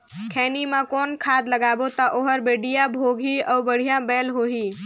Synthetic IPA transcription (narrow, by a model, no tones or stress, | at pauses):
kʰɛnimãkoːnkʰad̪ləɡabot̪ɔʔoɦəɾbeɖijãbʱoɡʱiɔubəɽ̤ijãbɛlɦoɦi